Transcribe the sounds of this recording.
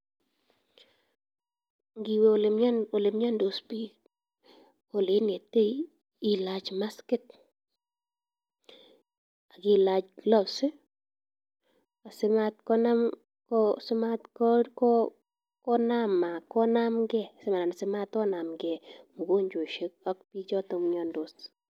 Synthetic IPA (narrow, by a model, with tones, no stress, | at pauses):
ŋɡi˨we˦˨lɪ˨mɲa˦no˨lɪ˨mɲa˦ndo˨spi˦ | o˨lɪ˨˦ne˨tːe˦ | i˨la˨t͡ʃma˦skɪ˦t̚ | a˨ɡi˦la˨t͡ʃɡlɔ˦sɪ˦ | a˨sɪ˦ma˦tkɔ˦na˦m | kɔsɪ˦matkɔkɔ | kɔ˦nama˨kɔ˦na˦mɡɛ˦sɪ˦ma˨na˨na˨sɪ˦ma˦tɔ˦na˨mɡɛ˨mu˨ko˦ɲd͡ʒo˨ʃe˦k̚a˦k̚pi˦t͡ʃɔ˦tɔ˨mɲɔ˨ndo˨s